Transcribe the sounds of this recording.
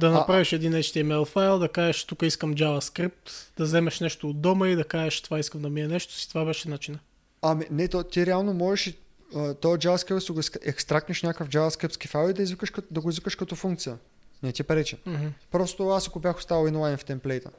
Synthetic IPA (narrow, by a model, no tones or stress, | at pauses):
d̪ɐnɐpɾaviʃɛd̪inɛt͡ʃt̪iɛmɛlˠfajlˠd̪ɐkaʒɛʃt̪ukəiskəmd͡ʒavɐskɾip̚t̪d̪ɐzɛmɛʃnɛʃt̪oːd̪ɔməid̪ɐkaʒɛʃt̪ovaiskəmd̪ɐmiɛnɛʃt̪o̥si̥t̪vabɛʃɛnat͡ʃinɐ | ɐminɛt̪ot̪iɾɛalˠnomɔʒɛʃi | ət̪ɔjəd͡ʒavɐskɾiptsiɡoskɛkst̪ɾak̚t̪nəʃnʲakəfd͡ʒavɐskɾipt̪skifajlˠid̪ɐizvikəʃkd̪ɐɡʊizvikəʃkɐt̪ɔfuŋk̚t̪sijə | nɛt̪ipɾɛt͡ʃɛm̩ɦpɾɔst̪o̥t̪ovaasɐkobjaxʊ̥st̪avɐlˠinlˠajnft̪ɛmplɛjt̪ə̰